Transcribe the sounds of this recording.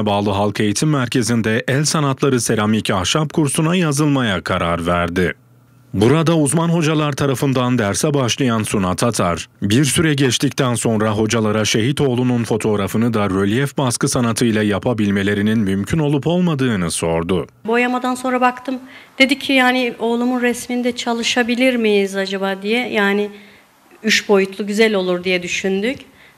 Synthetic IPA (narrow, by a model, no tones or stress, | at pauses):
baːlˠɯɦalˠkʰe̞jit̪ʰimːæɾcʰe̞zind̪ɛʔɛlʲsanat̪ʰlˠaɾɯse̞ɾamicahʃap̚kʰuɾsunajazɯlˠmajakʰaɾaɾvæɾd̪ɪ | buɾad̪auzmanɦo̞d͡ʒalˠaɾt̪ʰaɾafɯnd̪and̪æɾsɛbaʃlˠajansunat̪ʰat̪ʰaɾbiɾsyɾɛɟɛt͡ʃt̪ʰict̪ʰænso̞nɾaɦo̞d͡ʒalˠaɾaʃe̞ɦit̪ʰo̞ːlˠununfo̞t̪ʰo̞ːɾafɯnɯd̪aɾølʲijɛfbaskɯsanat̪ʰɯjlˠajapʰabilʲme̞lʲe̞ɾininmymcʰyno̞lˠupo̞lˠmad̪ɯːnɯso̞ɾd̪ʊbojamad̪anso̞nɾabakt̪ʰɯmd̪̥e̞d̪icʰːijaːnɪo̞ːlˠumunɾɛsmind̪ɛt͡ʃʰalˠɯʃabilʲiɾmijizad͡ʒabaːd̪ijɛjaːnɪ | yʃbo̞jut̪ʰlˠuɟyzælʲo̞lˠuɾd̪ijɛd̪yʃynd̪yc